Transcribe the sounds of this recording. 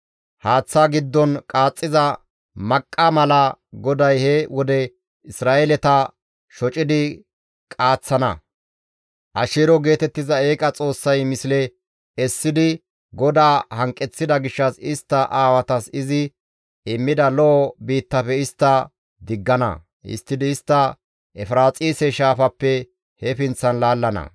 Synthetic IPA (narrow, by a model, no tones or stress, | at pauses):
haːt͡sːaɡɪd̪ːɔnkʼaːt͡sʼːɪzɐ | mɐkʼːɐmɐlɐɡɔd̪ɐjhɛwɔd̪ɛ | ɪsɾaːʔɛlɛt̪ɐ | ʃɔt͡ʃʼɪd̪ɪ | kʼaːt͡sːɐnɐ̰ | ʔɐʃeːɾɔɡe̞ːt̪ɛt̪ːɪzɐeːkʼɐt͡sʼo̞ːsːɐjmɪsɪlɛ | ɛsːɪd̪ɪ | ɡɔd̪aːhɐŋkʼɛt͡sːɪd̪ɐɡɪʃːɐsɪst̪ːɐʔaːwɐt̪ɐsɪzɪ | ɪmːɪd̪ɐlɔʔɔbiːt̪ːɐpɛɪst̪ːɐ | d̪ɪɡːɐnɐ̰ | ɪ̰st̪ːɪd̪ɪːst̪ːɐ | ʔɛfɾaːt͡sʼiːsɛʃaːfɐpːɛ | hɛfɪnt͡sːɐnlaːlːɐnɐ̰